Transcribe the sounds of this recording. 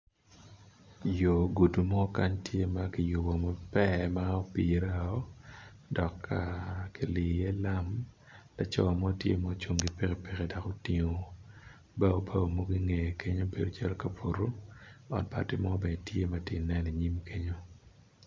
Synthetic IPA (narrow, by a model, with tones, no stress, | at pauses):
jo˨ɡu˨du˨mɔ˦ka˦ɲtje˦ma˦ki˨ju˨bo˨mɔ˨pɛ˦ma˦o˦pi˨ɾa˦˨ɔ˦dɔ˨kʰːa˨ki˨li˨e˦la˦m | la˦t͡ʃɔ˦˨mɔ˦tjḛ˦mɔ˦t͡ʃo˦˨ŋɡi˨pe˦ke˨pe˨ke˨da˨ko˦ti˦ŋo˦ | bɛ˦o˦bʰa˦o˨mo˦ɡi˦ŋe˨kʰe˦ɲo˦be˨do˨t͡ʃa˦lka˨po˨ɾo˦ɔ̰˨npa̰˨ti˦mɔ˦bɛ˨tje˦mɐ˦ti˦˨nɛ˦ni˨ɲi˦mkʰe˦ɲo˦